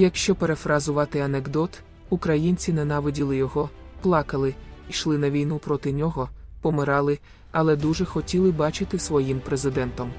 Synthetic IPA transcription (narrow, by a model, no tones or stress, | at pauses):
jɐkʃt͡ʃɔpeɾefɾɐzʊʋɑt̪ɪɐneɡd̪ɔt̪ | ukɾɐjinʲt͡sʲinenɑʋɪdʲilˠɪjɔɦɔ | plˠɑkɐlˠɪiʃlˠɪnɐʋʲijnupɾɔt̪ɪnʲɔɦɔpɔmɪɾɑlˠɪ | ɐlˠɛd̪uʒɛxɔtʲilˠɪbɑt͡ʃɪt̪ɪsʋɔjimpɾezɪd̪ɛnt̪ɔm